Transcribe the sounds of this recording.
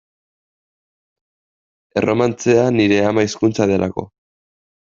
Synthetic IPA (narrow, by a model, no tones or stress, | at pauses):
e̞rʔo̞mant͡se̞aniɾe̞amaiskunt͡sað̞e̞lʔa̰ko̞̰